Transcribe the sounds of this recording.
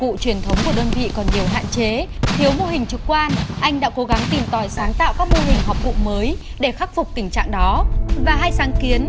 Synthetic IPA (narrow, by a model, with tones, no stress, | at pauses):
kṵ˧˨t͡ɕwi˨˩ənt̪ʰə˨˦wŋ͡mku˧˩əɗəː˧nvḭ˧˨kɔ˨˩nɲi˨˩əwɦa̰ː˧˨nt͡ɕe˨˦t̪ʰi˨˦əwmo˧ɦï˨˩ŋ̟t͡ɕɨ˨˩k̚kwaː˧nʔa˧jŋɗa̰ː˧˥ko˨˦ɣa˨˦ŋt̪i˨˩mt̪ɔ˧˩jsaː˨˦ŋt̪a̰ː˧˨wkaː˦˥k̚mo˧ɦï˨˩ŋ̟ɦɔ˨˩k͡p̚vṵ˧˨məː˨˦j | ɗe˧˩xa˦˥k̚fʊ˨˩k͡p̚t̪ï˧˩ŋ̟t͡ɕa̰ː˧˨ŋɗɔ˨˦vaː˨˩ɦaː˧jsaː˨˦ŋki˨˦ən